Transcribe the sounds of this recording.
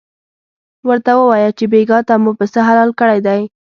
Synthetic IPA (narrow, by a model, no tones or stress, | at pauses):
wəɾt̪awəwɑjat͡ʃebeɡɑt̪amupəsəɦalɑlkəɽajd̪aj